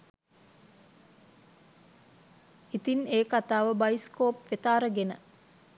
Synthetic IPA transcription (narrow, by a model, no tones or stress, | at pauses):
it̪ineːkat̪aːʋəbaiskoːpʋet̪aːɾəɡenə